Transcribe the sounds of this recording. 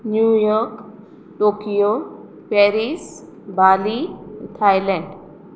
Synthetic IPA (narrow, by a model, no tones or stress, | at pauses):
njujɔɾk | ʈokijo | pɛɾis | balit̪ʰajlɛ̃ɳɖ